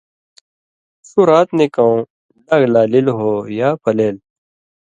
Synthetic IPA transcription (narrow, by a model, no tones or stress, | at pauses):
suɾaːt̪nekɐũ | lɐɡlaːlilɦoːjaːpʰɐleːl